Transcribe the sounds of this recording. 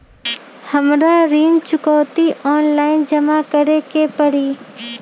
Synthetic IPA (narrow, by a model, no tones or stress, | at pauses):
həmɾaɾiːnt͡ʃʊkɔːt̪iʔɔːnlaːɪnd͡ʒəmakəɾekepəɽiː